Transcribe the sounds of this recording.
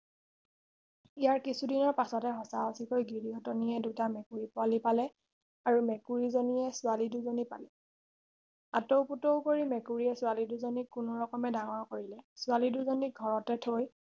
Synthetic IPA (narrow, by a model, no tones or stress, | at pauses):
ijaɹkisudinɔɹpasɔtɛɦɔsaɔsikojɡiɹiɦɔtɔniɛdutamɛkuɹipʊalipalɛ | aɹumɛkuɹizonijɛsʊaliduzonipa̰lɛ | a̰towputoʊkoɹimɛkuɹiɛsʊwaliduzonikːʊnʊɹɔkɔmɛdaŋɔɹkoɹilɛsʊaliduzɔniɡʱɔɹɔtɛtʰoj